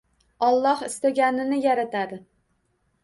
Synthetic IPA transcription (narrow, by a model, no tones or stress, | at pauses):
ɒlˠːɒhɪst̪aɡʲanɪnɪjaɾat̪ʰad̪ɪ